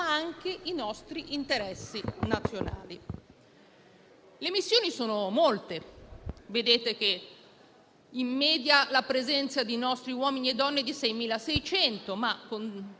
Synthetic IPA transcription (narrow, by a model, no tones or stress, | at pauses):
aaŋkeinɔst̪ɾiʔint̪eɾɛsːinat̪sːjona̰ːli | lemisːjoːnisoːnomolt̪e | ved̪eːt̪ek̟e | imːɛːd̪jalapɾezɛnt̪sad̪inɔst̪ɾiwɔːminied̪ːɔnːed̪isɛjmiːlasɛjt͡ʃɛnt̪omakːon